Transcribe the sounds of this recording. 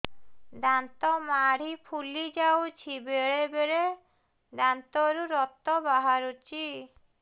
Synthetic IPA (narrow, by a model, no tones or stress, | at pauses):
d̪ant̪ɔmaɽ̤ipʰulid͡ʒawt͡ʃʰibeɭebeɾe | d̪ant̪ɔɾuɾɔt̪ːɔbaɦaɾut͡ʃʰi